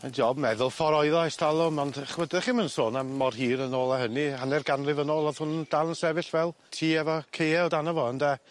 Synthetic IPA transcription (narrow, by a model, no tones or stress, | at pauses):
ənd͡ʒoːbmɛðʊlˠfɔɾɔɨðajstʰalˠʊmɔndɛχwədəχiːmənsoːnamːɔrhiːɾənoːlˠaɦənihanɛrɡanlɪvənoːlˠɔðhʊnənd̥alˠənsɛvɪɬvɛlˠ | tʰiːɛvɔkʰejɛlˠdanɔvɔənda